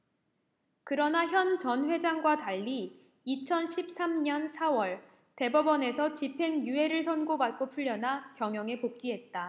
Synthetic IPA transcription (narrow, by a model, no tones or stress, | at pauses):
kɯɾʌnaçjʌnt͡ɕʌnɸwe̞d͡ʑaŋɡwataʎːiː | t͡ɕʰʌnɕʰip̚s͈amɲʌnsʰawʌɭ | te̞bʌbʌne̞sʰʌt͡ɕipʰe̞ŋjue̞ɾɯɭsʰʌnɡobat̚k͈opʰuʎːʌnakjʌŋjʌŋe̞pok̚k͈iɦe̞t̚t͈a